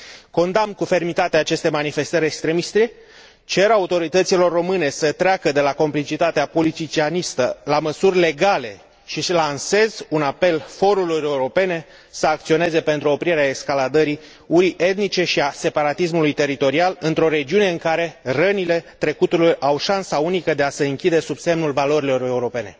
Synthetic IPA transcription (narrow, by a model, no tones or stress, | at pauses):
ko̞nd̪amnkufe̞rmit̪at̪eaːt͡ʃe̞st̪e̞manife̞st̪əɾʲekst̪ɾe̞mist̪ɾe | t͡ʃe̞ɾaut̪o̞ɾit̪ət̪silo̞rːo̞mɨne̞sət̪ɾeakəd̪e̞lako̞mplit͡ʃit̪at̪eapo̞lit̪it͡ʃianist̪əlaməsurʲle̞ɡale̞ | ʃislanse̞zunape̞lfo̞ɾulure̞uɾo̞pe̞ne̞ | səak̚t̪sio̞ne̞ze̞pe̞nt̪ɾuo̞pɾiɾeaekskalad̪əɾi | uɾiʔe̞t̪nit͡ʃe̞ʃiase̞paɾat̪is̬mulujt̪e̞ɾit̪o̞ɾialɨnt̪ɾo̞ɾe̞d͡ʒiune̞ɨŋkaɾe̞rənile̞t̪ɾe̞kut̪ulujʔawʃansaunikəd̪e̞asəɨŋkʲid̪e̞subse̞mnulvalo̞ɾilo̞ɾe̞uɾo̞pe̞ne̞̰